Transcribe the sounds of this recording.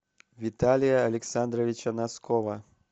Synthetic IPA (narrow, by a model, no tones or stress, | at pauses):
vʲit̪alʲijɐːlʲɛksand̪ɾɐvʲit͡ʃɐnaskɔvɐ